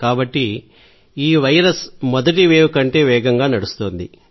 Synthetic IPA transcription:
kaːbɐʈːi | iːʋɐjɐɾɐsmɔd̪ɐʈiʋeːʋukɐɳʈe̞ːʋɛːɡɐŋɡaːnɐɽust̪oːnd̪i

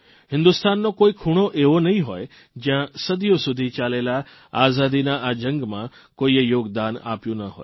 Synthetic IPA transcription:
ɦɪ̃nd̪ust̪anːokoːikʰuɽ̃oʔeʋonəɦĩɦoːj | d͡ʒjãsəd̪jõsʊd̪ʱit͡ʃalela | azad̪inaʔad͡ʒə̃ŋɡmã | koijoːɡd̪ana̰pjũnəɦo̰ːj

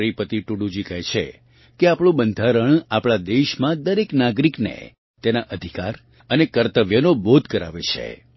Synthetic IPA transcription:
ɾipət̪iʈuɽud͡ʒikɛɦt͡ʃʰḛ | keapɽ̃ũbənd̪ʱaɾəɳ̃apɭad̪eʃmãd̪əɾeknaɡɾiknḛ | t̪enaʔəd̪ʱikaɾ | ənekəɾt̪əʋjənobod̪ʱkəɾa̰ʋet͡ʃʰḛ

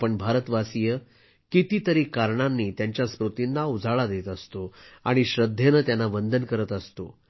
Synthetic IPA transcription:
pəɳbʱaɾət̪ʋasijə | kit̪iːt̪əɾiːkaɾɳanːiːt̪jaɲt͡ɕjaspɾot̪inːaud͡zʱaɭad̪et̪əst̪oa̰ɽ̃iɕɾəd̪ʱːenət̪janːaʋənd̪ʱənkəɾət̪əst̪o

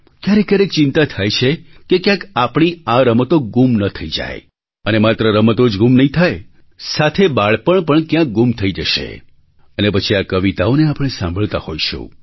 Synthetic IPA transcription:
kjaɾekjaɾek̚t͡ʃɪnt̪at̪ʰajt͡ʃʰekekjãkapɳ̃iaɾəmət̪oɡumnət̪ʰəid͡ʒa̰j | ənemat̪ɾəɾəmət̪od͡ʒɡumnəɦĩt̪ʰaj | sat̪ʰebaɭpəɳpəɳkjãk̚ɡumt̪ʰəid͡ʒəʃḛ | ənepət͡ʃʰiakəʋit̪aoneapəɽ̃esãmbʱəɭt̪a̰hojʃṵ̃

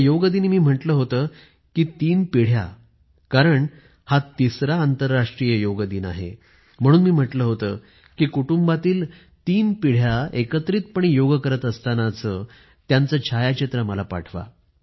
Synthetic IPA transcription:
joɡəd̪iːnmiːm̤əʈləːɦot̪əː | kiːt̪iːnpiɽ̤ja̰ | kaɾəɳ | hat̪isɾaːnt̪əɾːaʂʈɾijəjoɡəd̪iːna̰ɦḛ | m̤əɽ̃uːnmiːm̤əʈləːɦot̪ə̰ː | kiːkuʈumbat̪iːl | t̪iːnpiɽ̤jaekət̪ɾiːt̪̚pəɳ̃ijoɡəkəɾət̪əst̪anat͡sə | t̪jant͡səːt͡ɕʰajat͡ɕit̪ɾəməlapa̰ʈʰʋa̰

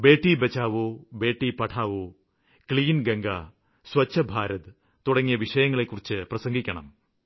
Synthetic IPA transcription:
be̞ːʈːibɐt͡ɕːaːʋoːbe̞ːʈːipɐʈʰaːʋoː | kɭiːnɡɐŋɡɐ | swɐt͡ɕːɐbʱaːɾɐðɨ | t̪uɽɐŋːijɐʋiʂɐjɐŋːɐɭekːurit͡ɕːɨprɐsɐŋɡikʲːɐɳɐ̰m

